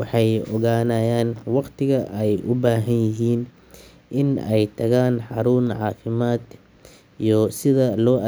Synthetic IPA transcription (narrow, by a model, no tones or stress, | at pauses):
wɑħɑjɔɣaːnaːjaːnwɑqt̪ʰɪɣɐʔɛjʔʊbaːɦɐnjɪɦiːn | ʔɪnɛjt̪ʰɐɣaːnħɑɾuːnʕɑ̰ːfɪmaːd̪ | ijɔsɪðɐlɔːʔɐ